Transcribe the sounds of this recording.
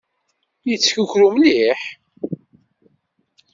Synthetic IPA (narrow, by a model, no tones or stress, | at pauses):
jət͡sːçuçɾumliħ